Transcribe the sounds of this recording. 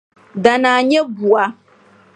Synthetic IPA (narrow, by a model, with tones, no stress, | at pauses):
da˨naː˨ɲɛ˦bu˨a˨